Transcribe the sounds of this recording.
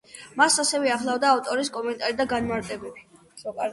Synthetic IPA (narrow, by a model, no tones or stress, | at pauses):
masasɛvɛaχlˠavd̪aːft̪ʼɔɾiskʼɔmɛnt̪ʼaɾid̪aɡanmaɾt̪ʼɛbɛbi